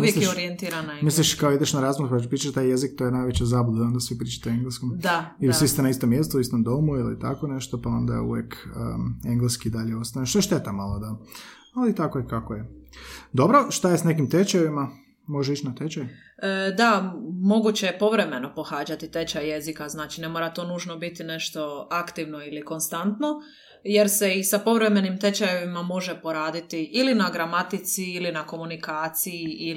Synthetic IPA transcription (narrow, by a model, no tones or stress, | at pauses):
umijeslijoɾient̪iɾanamisliʃkaoid̪eʃnaɾaːzmoɾupat͡ʃu̥pɾiːt͡ʃeʃt̪aje̞zik̚t̪ojenajʋet͡ɕezaːbud̪ond̪asʋipɾiːt͡ʃḁt̪eoeŋɡleskomd̪aisʋist̪enaist̪o̞mjest̪uist̪o̞md̪o̞muilḭt̪a̰ko̞ne̞ʃt̪o̞pao̞nd̪a̰jḛṵʋjḛkə̰e̞ŋɡleskiid̪aʎeo̞st̪ajnʃt̪oeʃt̪e̞t̪amalˠod̪a | alit̪akojekakojed̪o̞bɾo̞ʃt̪ajesnek̬imt̪et͡ʃaʋima | mo̞ʒeit͡ʃnat̪et͡ʃaju | d̪amo̞ɡut͡ɕejepo̞ʋɾe̞me̞no̞po̞xaːd͡ʒat̪it̪e̞t͡ʃaje̞zikaznaːt͡ʃine̞mo̞ɾat̪o̞nuːʒno̞bit̪ine̞ʃt̪o̞akt̪iʋno̞iliko̞nst̪ant̪no̞ | je̞ɾse̞isapo̞ʋɾeme̞nimt̪e̞t͡ɕajeʋimamo̞ʒe̞po̞ɾaːd̪it̪iʔilinaɡɾamat̪it̪siilinako̞munikaːt̪sijiʔi